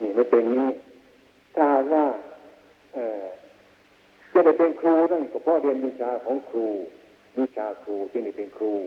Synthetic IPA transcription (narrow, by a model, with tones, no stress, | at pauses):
ni˧˩ma˥˩pe˧nːiː˧˥˩ | t̪ʰaː˥˩haː˨˩t̪̚waː˥˩ | ʔɤː˧˩ | t͡ɕa˧˨da˧˩jpe˧nkʰɾuː˧ɾaː˥˩juː˨˩kʰa˧˩pʰɔː˥˨ɾi˧ənmiː˧t͡ɕʰaː˧kʰɔː˨˦ŋkʰɾuː˧ | miː˧t͡ɕʰaː˧kʰɾuː˧t͡ɕi˧˩da˥˩pe˧nkʰɾuː˧